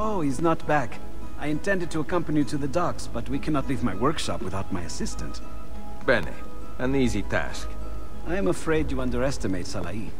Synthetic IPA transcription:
oʊiznət̚b̥æk | aɪɨ̃ntʰɛ̃ndɨd̚tɨːkʌ̃mpənjɨɾɨðɨdɑksb̥ʌt̚wikʰænɑtˡlivmaɪwɜ˞kʃɑ̰pwɨθaʊt̚maɪɨsɪstɨ̰̃nt | b̥ɛnḭ | ɨ̃nizitʰæ̰sk | ʔaɪɨ̃məfɹeɪd͡ʒɨʌ̃ndə˞ɛstɨmeɪtsalˠa̰i

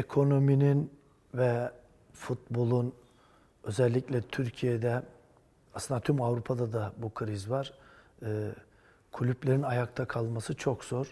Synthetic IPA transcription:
ekʰo̞no̞minin | vɛ | fut̪̚bo̞lˠun | ø̞zɛlʲːicʲlʲɛt̪ʰyɾcʰijed̪ɛ | asɯnd̪at̪ʰymavɾupʰad̪ad̪abukʰɯɾizvaɾ̥ː | kʰulʲyplʲeɾinajak̚t̪ʰakʰalˠmasɯt͡ʃʰo̞kz̥o̞ɾ

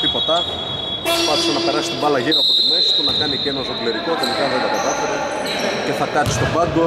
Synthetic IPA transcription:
ipot̪ɐ | pɐt̪isɐnɐpeɾɐsist̪ibɐlɐʝiɾɐɐpo̞t̪imesi̥t̪unɐkɐnicenɐzoɡleɾikot̪e̞likɐðeɾɐt̪ɐðɐfeɾɐ | ce̞θɐkɐt̪i̥st̪o̞pɐd̪o

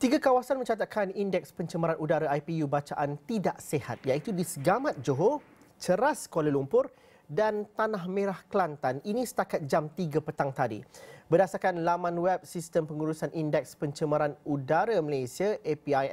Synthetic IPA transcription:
t̪iɡakawasanmə̃ɲt͡ʃat̪̬akʰanindɛk̚spəɲt͡ʃəmaɾanudaɾaajpijubat͡ʃaʔant̪idaʔseha̰t̪̚jait̪udisəɡamãt̪̚d͡ʒoɦo | t͡ʃəɾaskolalumpʊr | dant̪anahmẽɾahkəlant̪aninĩsə̥t̪akat̪̚d͡ʒamt̪iɡapət̪aŋt̪adḭbərdasarkanlamãnwɛp̚sist̪əmpəŋuɾusanʔindɛk̚spəɲt͡ʃəmaɾanudaɾaməlesiaʔepiaj

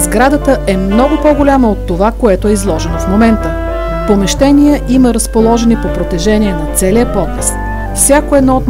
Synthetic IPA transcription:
zɡɾad̪ət̪əɛmnɔɡʊpoɡolʲaməot̪ːovakoɛt̪oɛizlˠɔʒɛnofmomɛnt̪ə | pomɛʃt̪ɛnijəʔiməɾəspolˠɔʒɛnipopɾot̪ɛʒɛniɛnɐt̪sɛliəpɔt̪ɛs | fsʲjakoɛd̪nɔot̪

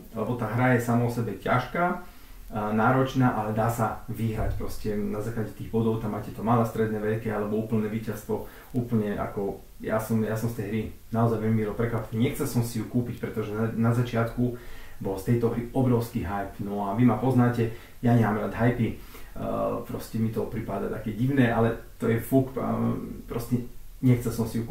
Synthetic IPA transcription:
lɛbɔt̪aːɦɾajɛsamaɔsɛbɛca̰ʃkaː | naːɾɔt͡ʃnaːʔalɛd̪aːsaʋiɦɾacpɾɔscɛnazaːklaɟɛt̪iːɣbɔd̪ɔʊt̪amːaːcɛt̪ɔmalɛst̪ɾɛd̪nɛːʋɛʎkialɛbɔuːpl̩nɛːʋiːcast̪ʋɔ | uːpl̩ɲɛʔa̰kɔ | ja̰sɔmjasɔmst̪ɛjɦɾinaɔzajʋɛʎmiilɔpɾɛkʋapniɲɛxt͡sɛlsɔmsijukuːpicpɾɛt̪ɔʒɛnazat͡ʃɪat̪kubɔlst̪ɛjt̪ɔɦɾiɔbɾɔʊskiːɦajpnɔaʋimapɔznaːcɛ | jaɲɛmaːmɾad̪ɦajpi | pɾɔscɛmit̪ɔpɾipad̪at̪akɛɟiʊnɛːʔalɛt̪ɔjɛfuk | pɾɔscɛɲɛxt͡sɛlsɔmsijuk

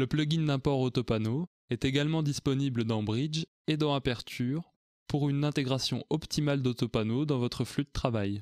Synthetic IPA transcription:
ləplɔɡʲiŋd̪ɛ̃pɔʁot̪ɔpano | ɛt̪eɡalmɑ̃d̪ispɔnibləd̪ɑ̃bʁid͡ʒ | ed̪ɑ̃apɛʁt̪ʰyːʁ | puʁynɛ̃t̪eɡʁasjɔ̰̃ʔɔpt̪imald̪ot̪ɔpanod̪ɑ̃vɔt̪χəflyd̪ət̪χavaj

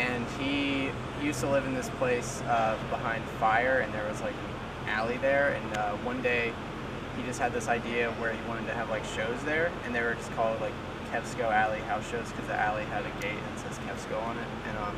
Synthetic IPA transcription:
ɨ̃ni | jʉstəlɪvnðɪspʰl̥eɪs | ʌbəhãɪ̃nd̥faɪə˞ɨ̃nðə˞wʌzlaɪkɨ̃n | ʔælˠiðə˞ɨ̰̃nʌwʌ̃ndeɪ | id͡ʒʌst̚hɨd̪̚ðɪsaɪdiɨwə˞iwɑ̃ɾ̃ɨd̚tʰɨːvlaɪkʃoʊzðə˞ɨ̃nðɨɪwə˞d͡ʒʌskʰɔlˠdˡlaɪkʰɛv̥skoʊælˠiɦaʊsʃoʊz̥kʰʌzḭʔælˠiɨɾɨɡeɪtɨ̃nsɛz̥kʰɛv̥skoʊə̃nɪt̚ʔɨ̃nʌ̃m

